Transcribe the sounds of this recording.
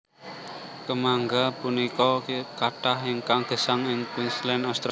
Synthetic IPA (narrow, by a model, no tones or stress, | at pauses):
kəmaŋɡapunikɔkaʈaɦɪŋkaŋɡ̥ə̤saŋɪŋkwinslɛnɔst̪ɾ